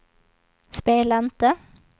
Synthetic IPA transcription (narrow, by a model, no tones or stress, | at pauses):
speːlænt̪ə